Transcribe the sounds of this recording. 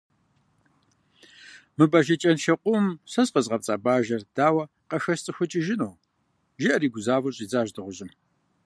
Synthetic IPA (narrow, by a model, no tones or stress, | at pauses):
mɨbɐʒɐt͡ʃʼɐnʃɐqʷʼʊmsɐzqəzʁɐp̚t͡sʼaːbaːʒɐrd̥aːwɐ | qɐxɐst͡sʼɨxʷʊt͡ʃʼɪʒɪnoː | ʒɪʔɐɾiːɡʷʊzaːvɐɕʼiːd͡zaːʒdɨʁʷʊɕʼɪm